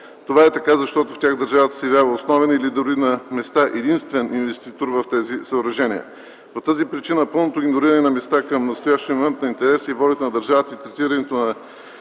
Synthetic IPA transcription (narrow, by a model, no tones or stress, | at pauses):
t̪ovaɛt̪ɐkazɐʃt̪ɔt̪oftʲjaɣd̪əɾʒavət̪ə̥sɛvʲjavəosnɔvɛnilid̪oɾinɐmɛst̪aʔɛd̪inst̪vɛninvɛst̪it̪oɾvɐft̪ɛzisəoɾɐʒɛnʲiə̰ | pot̪azipɾit͡ʃinəpɤlˠnot̪oiɡnoɾiɾɐnɛnɐmɛst̪akəmnɐst̪ojaʃt̪ijəmomɛnt̪nɐint̪ɛɾɛsivɔlʲit̪ənɐd̪əɾʒavət̪əit̪ɾɛt̪iɾɐnɛt̪onɐ